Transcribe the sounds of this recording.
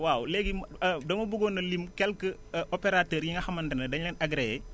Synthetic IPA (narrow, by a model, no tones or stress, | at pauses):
wawleɡimdɐmɐbuɡonɐlimkɛlkəʔopeɾatəːɾjiŋɡɐxɐmɐntɐnɐdɐɲlɐnaɡɾe